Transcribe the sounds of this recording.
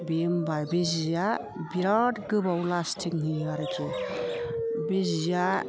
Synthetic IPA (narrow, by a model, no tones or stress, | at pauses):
bembajbezija | biɾadɡɯbawlastʰiŋniaɾɯkʰɯ | bezija